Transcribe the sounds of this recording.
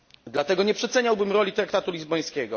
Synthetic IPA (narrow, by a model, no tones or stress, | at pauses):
d̪lat̪ɛɡɔɲɛpʂɛt̪sɛɲawbɘmɾɔlʲit̪ɾakt̪at̪ulʲizbɔj̃skʲɛɡɔ